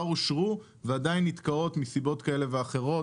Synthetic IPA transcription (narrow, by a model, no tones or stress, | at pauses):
aʁuʃʁu | veadainːit̪kao̞t̪misibo̞t̪kaele̞veaχe̞ʁo̞